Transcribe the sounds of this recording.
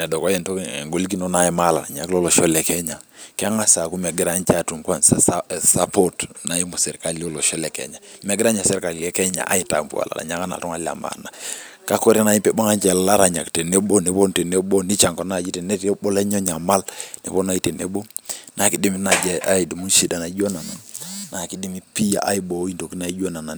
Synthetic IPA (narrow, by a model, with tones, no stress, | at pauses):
nɛ˨dɔ˨kɔ˦jɛ˦˨nto˦kŋɡo˨li˦ki˦no˦na˨jɛ˨˦ma˦la̰˨na̰˨ɲa̰˨klɔ˦lɔ˨ʃɔ˦lɛ˨kɛ˦ɲa˨ | kɛ˦a˦ŋa˦sa˨ku˦mɛ˨ɡi˦ɾa˦ɲt͡ʃa˨tu˨ŋkwa˦nsa˨sa˦po˦tna˨i˦mo˨sɛ˨ɾka˨li˦o˦lɔ˨ʃɔ˦lɛ˨kɛ̰˨ɲa˨mɛ˨ɡɪ˦ɾa˦ɲa˨sɛ˦ɾka˨le˦kɛ˦ɲa̰˨ʔa̰˦i˦ta̰˨mpṵ˨a̰˨la̰˨na̰˨ɲa˦ka˦na̰˨tɔ˦ŋa˦lia̰˨ma̰˨na˨ka˦ko˦ɾi˦na˨i˦pɛ˦˨bo˦ŋa˦nt͡ʃɛ˨lala˦ɾa˨ɲa̰˨kte˨ne˦ɓo˦ne˨po˦nte˨ne˦ɓo˦ni˦t͡ʃa˨ŋkɔ˨˦na˨d͡ʒi˦te˨ne˦tɓɔ˦lɛ˦ɲɔ˦ɲa˨ma˦lnḛ˨po˦na˦i˦te˨nḛ˦ɓo˦na˨ki˦di˦mi˦na˨d͡ʒa˨a˦i˨di˨mu˦ʃi˨da˨na˨i˦d͡ʒo˦na˨na˨nna˨ki˦di˦mi˦pi˦ja̰˨ʔa˦i˦bo˨˦i˦nto˨ki˦na˨i˦d͡ʒo˦na˨na˨